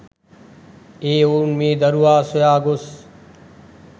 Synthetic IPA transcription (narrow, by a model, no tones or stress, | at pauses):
eːoːnmẽːd̪əɾuaːsʊjaːɡʊs